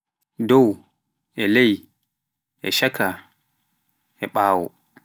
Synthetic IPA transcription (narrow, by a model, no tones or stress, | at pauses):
dɔw | ʔɛlej | ʔɛʃakʰa | ʔɛɓaːwɔ̰